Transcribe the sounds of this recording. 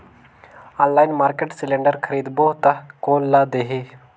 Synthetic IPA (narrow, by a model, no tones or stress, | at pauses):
ãːnlaːjnmaːɾkeʈsɪlẽːɳɖəɾkʰəɾiːd̪boɦt̪ɐkoːnlad̪eɦe